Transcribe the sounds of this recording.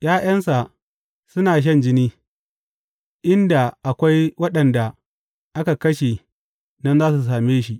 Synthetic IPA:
jaː˦j̰ɐ˦nsa˨ | sʊ˦naː˨ʃ̬ɐ˦nd͡ʒɪ˦niː˦ | ʔɪ˦nda˨ʔa˨kʷa˦jwɐ˦ɗɐ˨nda˨ | ʔa˦ka˨kɐ˦ʃe˨ | nɐ˦nzaː˦s̬u˨s̬aː˨meː˦ʃi˦ʔ

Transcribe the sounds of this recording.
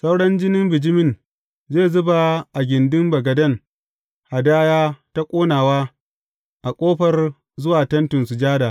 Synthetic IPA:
sa˦wɽɐ˦nd͡ʒɪ˦nɪ˦mbɪ˨d͡ʒɪ˦mɪ˦n | zeː˦˨zʊ˦ba˨ʔa˨ɡʲɪ˨ndɪ˦mbɐ˨ɡɐ˨dɐ˦˨ŋ | ha˨daː˦jaː˦ta˦kʷʼoː˦naː˨waː˦ | ʔa˨kʷʼoː˦ɸɐ˨r | zʊ˦waː˨tɐ˦ntɪ˨nsu˨d͡ʒaː˦daː˨

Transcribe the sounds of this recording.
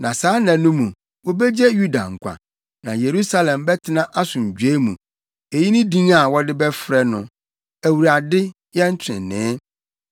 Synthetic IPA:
nã˨saː˨˦nɛ̃˨nʊ̃˦mũ˨ | wo˦bɛ˦d͡ʑɛ˦ju˦da̰˨ŋ̩˨kʷa̰˨ | nã˨je˨ɾu˦sa˦lɛ̃˨mbɛ˦tʰɪ˦nã˦ʔa˦sʊ̃˨ɲ̩˨d͡ʑᶣe˦mũ˨ | e˨ji˦nɪ̃˦dĩ˦ŋa˨wɔ˦dɪ˦bɛ˦fɾɛ˦nʊ̃˨ | æ˨wu˨ɾa˨dɪ˦ | jɛ˦n̩˦t͡ɕʰᶣɪ̰̃˨nɪ̃˨˦

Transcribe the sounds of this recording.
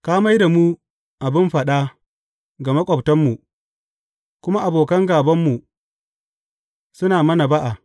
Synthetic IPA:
kaː˦ma˦jda˨muː˦ | ʔa˨bɪ˦mɸɐ˨ɗa˦ | ɡa˨mɐ˦kʷʼɔ˨btɐ˦mːu˨ | kʷʊ˦ma˦ʔa˨boː˨kɐ˦ŋɡaː˨bɐ˦mːu˨ | sʊ˦naː˨mɐ˦na˨ba˦ʔa˨

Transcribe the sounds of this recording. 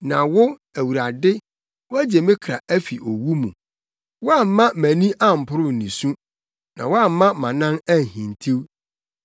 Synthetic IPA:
nã˨wʊ˦ | æ˨wu˨ɾa˨dɪ˦ | wʊ˦æ˦d͡ʑe˨mɪ̃˦kʰɾa˨ʔæ˦fi˨ʔo˨wu˦mũ˨ | wʊ˦a˦m̩˦mːã˦mæ̃˨nĩ˦ʔa˦˨m̩˨pʰʊ˦ɾʊ˦˨nĩ˨sũ˦ | nã̰˨wʊ˦a˦˨m̩˦mã˦mã˨nã˦næ˦˨hĩ˨n˨tʰi˦w

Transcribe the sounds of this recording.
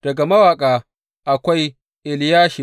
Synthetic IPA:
d̥ɐ˨ɡa˨mɐ˦waː˨kʼaː˨ | ʔa˨kʷa˦j | ʔɪ˨ljaː˦ʃi˨

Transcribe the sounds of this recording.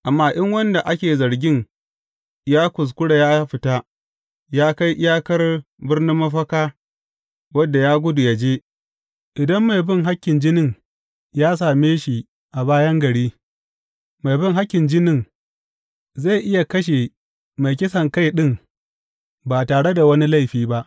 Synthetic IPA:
ʔa˨mːaː˦ʔɪ˦ŋwɐ˦nda˨ʔa˦kʲeː˨zɐ˨ɾɡʲɪ˦ŋ | jaː˦kʷʊ˨s̬kʷʊ˦ɽa˨jaː˦ɸɪ˦ta˦ | jaː˦ka˦jʔɪ˦jaː˦kɐ˦r | bɪ˦rnɪ˦mːɐ˦ɸɐ˦kaː˦ | wɐ˦dːa˨jaː˦ɡʷʊ˦dʊ˨ja˦d͡ʒeː˦ | ʔɪ˨dɐ˦mːa˨jbɪ˦˨ŋɦa˦kʲːɪ˨nd͡ʒɪ˦nɪ˦˨ŋ | jaː˦s̬aː˨meː˦ʃi˨ | ʔa˨βaː˦jɐ˦ŋɡɐ˨ɽiː˦ | ma˨jbɪ˦ŋɦa˦kʲːɪ˨nd͡ʒɪ˦nɪ˦˨ŋ | za˦˨jʔɪ˦ja˨kɐ˦ʃ̬e˨ | ma˨jkʲɪ˦sɐ˨ŋka˦jɗɪ˦˨ŋ | ba˨taː˨ɽe˦da˨wɐ˦ni˦la˦˨jɸiː˦ba˦ʔ

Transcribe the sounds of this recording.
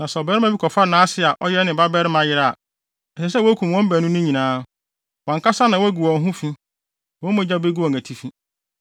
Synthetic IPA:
nã˨sɔ˨bɛ˦ɾmã˦bi˦kʰɔ˨fa˦nãː˦sɪ˦a˨ʔɔ˦jɛ˦nɪ̃˨ba˦bɛ˦ɾɪ˦mã˨jɪ˦ɾa˨a̰˨ | ɛ˨sɛ˨s̬ɛ˦wɔ˦æ˦kʰũ˨m˨wɔ̃˦m˦bæ˨nʊ̃˦nʊ̃˦ɲĩ˨nãː˨˦ | wɔ̃˨ŋka˦sa˦nã˨wɔ˦ɡu˨wɔ̃˨n˦ɦʊ̃˦fĩ˦ | wɔ̃˦mɔ̃˦d͡ʑa˦be˦ɡu˦ɔ̃˨ŋ˨æ˨tʰi˨fĩ˦

